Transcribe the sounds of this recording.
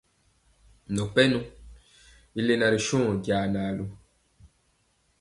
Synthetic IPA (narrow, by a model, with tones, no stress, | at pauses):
nɔ̃˨k͡pɛ˦nũ˦ | i˦le˦na˨ɾi˨ʃũ˦˨ɟja˨naː˨lu˦